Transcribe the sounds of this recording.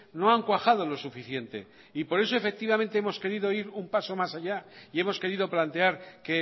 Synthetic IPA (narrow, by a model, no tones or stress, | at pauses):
no̞aŋkwaxaðo̞lo̞sufiθje̞nt̪e̞̰ | ipo̞ɾe̞s̬o̞e̞fe̞k̚t̪iβamẽnt̪eemo̞ske̞ɾiðo̞iɾumpaso̞masaʝaie̞mo̞ske̞ɾiðo̞plant̪e̞aɾke̞